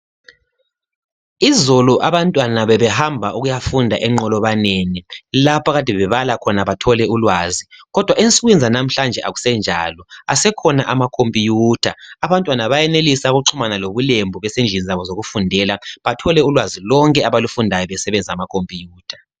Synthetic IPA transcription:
izoluʔaβantʼwanaβɛβɛhambʱaʔuɣujafundʱa̰ʔɛŋ͡ǃɔlɔβaneːnilapʰaɣatʼɛβɛβalakʰɔnaβatʰɔlɛulwaːziɣɔd̥ʱwaʔensʼuɣwind͡zʱanam̩ɬand͡ʒʱɛʔa̰ɣu̥sɛnd͡ʒʱa̰lɔasɛkʰɔnaʔamakʰompʼijuːtʰa̰ːβantʼwanaβajɛnelisauɣuǃʰumanaloβulembʱuβɛsend͡ʒʱinizaβɔzoɣufundʱɛlaβatʰɔlɛulwazilɔŋkʼɛaβalufundʱajɔβɛsɛβɛnd͡zʱamakʰompʼijuːtʰḁ

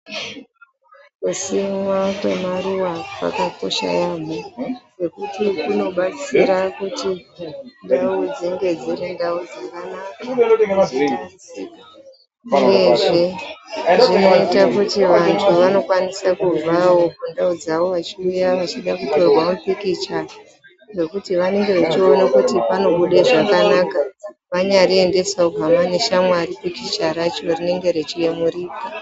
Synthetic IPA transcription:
kusimwakwe̞maruwapa̰kako̞̰ʃa̰jaːmowekutikuno̞ɓat͡siɾakutindaud͡ziŋɡe̞d͡ziɾindaud͡zakanaka | uje̞ʐe | ʐino̞itakutiʋantʰuʋano̞kwanisakuvawo̞kundaud͡zaʋo̞ʋat͡ʃiujaʋat͡ʃiɗakuto̞rwamupikit͡ʃa | ɡe̞kutiʋane̞ŋɡe̞ʋet͡ʃio̞nakutipano̞ɓuɗeʐakanakaʋaɲaɾie̞nde̞saobamaneʃamwaɾipikit͡ʃaɾat͡ʃo̞rine̞ŋɡe̞ɾe̞t͡ʃije̞muriːka

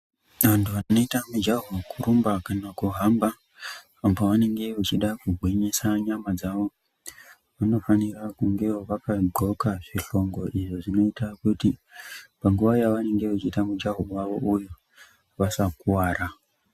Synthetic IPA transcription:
ʋantʰuʋano̞itamud͡ʒaɦukuɾumbakanakuɦambaː | poʋane̞ŋɡe̞ʋot͡ʃiɗakuɡʱwiɲesaɲamad͡zaʋo̞ | ʋano̞fanirakuŋɡe̞oʋakaɡʱo̞kaʐiɬo̞ŋɡo̞ʔiʐoʐino̞itakutipaŋɡuʋajaʋane̞ŋɡe̞ʋat͡ʃiːtamud͡ʒaɦowaʋo̞̰ʔujo | ʋasakuwaːɾa

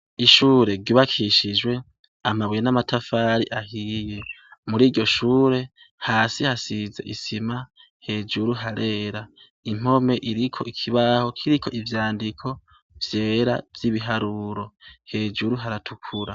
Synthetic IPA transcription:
iʃuːɾe̞ɾɡiβakʰiʃid͡ʒwe̞ | amaβwenamatʰafaːɾiʔahije̞ | muɾiːɟo̞ʃuːɾe̞ | haːsihasize̞̰ʔisima | he̞ːd͡ʒuɾuɦaɾe̞ːɾa | im̥o̞me̞ʔiɾikʰo̞ikʰiβaho̞kʰiɾikʰo̞̰ʔivjaːndikʰo̞ | v̥je̞ːɾa̰vjiβiɦaɾuɾo̞he̞ːd͡ʒuɾuɦaɾatʰukʰuɾa

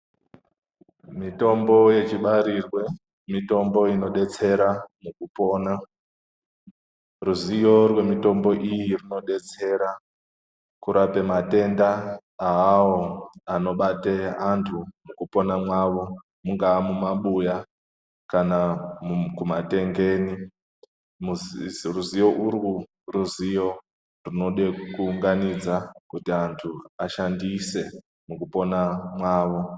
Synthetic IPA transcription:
mito̞mbo̞je̞t͡ʃiɓaɾirwe̞ | mito̞mbo̞ino̞ɗe̞t͡se̞ɾamukupo̞ːna | ruzijo̞rwe̞mito̞mbo̞ʔijirino̞ɗe̞t͡se̞ɾa | kuɾape̞mate̞ndaː | awoano̞ɓateantʰumukupo̞namwaʋo̞ | muŋɡaːmumaɓuja | kanamukumate̞ŋɡe̞ːni | muzruzijo̞ʔuɾɣu | ruzijo̞ | runo̞ɗekuːŋɡanid͡zakutiantʰuaʃandise̞ | mukupo̞namwaːʋo̞

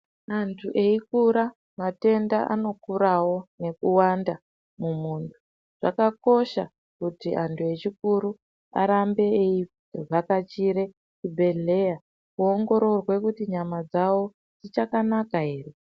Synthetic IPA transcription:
antʰuʔe̞ikuɾa | mate̞ndaʔa̰no̞kuɾawo̞ne̞kuwanda | mumuntʰu̥ | ʐ̥a̰kako̞ʃa | kutiʔantʰue̞t͡ʃikuɾu | a̰ɾambe̞ːi | ʐakat͡ʃiɾe̞ | t͡ʃibʱe̞ɮe̞ja | kuoŋɡo̞ɾo̞rwe̞kutiɲamad͡zawo̞ | d͡zit͡ʃakanakaɦe̞ːre

